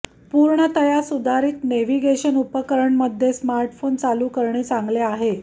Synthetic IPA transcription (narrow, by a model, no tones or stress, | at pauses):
puɾɳət̪əjasud̪ʱaɾiːt̪neʋiɡeɕənupəkəɾəɳməd̪ʱːjesmaɾʈfont͡saluːkəɾɳiːt͡saŋɡleaɦe